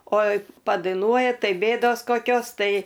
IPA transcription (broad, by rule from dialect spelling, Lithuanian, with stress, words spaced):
oː pɐdɐɪˈnuɔjɛ ˈtɐɪ ˈbʲeːdoːs koːˈkʲoːs ˈtɐɪ